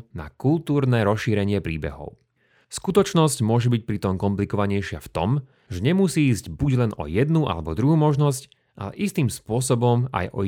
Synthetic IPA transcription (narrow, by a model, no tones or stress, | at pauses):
na̰kulˠt̪uːɾnɛːɾɔsʃiːɾɛɲɪɛpɾiːbɛ̰ɦɔ̰ʊ | skut̪ɔt͡ʃnɔscmʊɔʒɛbic̚pɾit̪ɔmkɔmplikɔʋaɲɛjʃɪaft̪ɔm | ʒɛɲɛmusiːzɟbuɟlɛnɔ̰jɛd̪nuʔa̰lɛbɔd̪ɾuɦuːmɔʒnɔsc | ʔa̰lɛ̰ʔist̪iːmspʊɔsɔbɔma̰jʔɔ̰